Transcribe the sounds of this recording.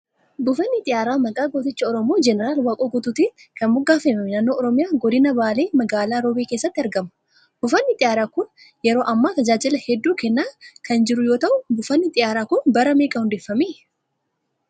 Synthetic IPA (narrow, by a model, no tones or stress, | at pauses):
bʊfɐnːɪt̪ʼɪjaːɾaːmɐkʼaːɡoːt̪ɪt͡ʃːɐɔɾɔmoːd͡ʒɛnɛɾaːlwaːkʼoːɡʊt̪ʊt̪ɪkɐnmʊɡaːfemɐmɪnaːnːoːʔɔɾɔmɪjaːɡɔd̪ɪnɐbaːleːmɐɡaːlaːɾobiːkeːsːɐt̪ːɐɾɡɐmɐ̥ | bʊfɐnːɪt̪ʼɪjaːɾaːkʊn | jɛɾo̞ːʔɐmːaːt̪ɐd͡ʒaːd͡ʒɪlɐhɛd̪ːuːkɛnːaːkʰɐnd͡ʒɪɾʊjo̞ːt̪ɐʔʊbʊfɐnːɪt̪ʼɪjaːɾaːkʊnbɐɾɐmeːkʼɐhʊnd̪ɛfːɐmiː